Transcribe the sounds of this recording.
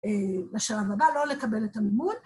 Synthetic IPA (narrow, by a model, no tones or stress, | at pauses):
ebaʃalavabalo̞lekabe̞letamimul